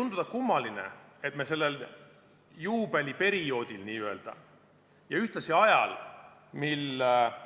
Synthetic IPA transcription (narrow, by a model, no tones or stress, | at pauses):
und̪̥ud̪ɑkumːɑlinḛe̞t̪me̞se̞lːe̞l | juːbelʲipe̞ɾio̞ːd̪̥ilniːye̞ld̪̥ɑ̰ | jɑyht̪lɑsiɑjɑ̰l | milː